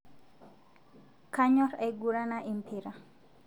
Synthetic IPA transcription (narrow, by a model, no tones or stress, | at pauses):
kaɲɔɾajɡuɾanaʔimpʰiɾa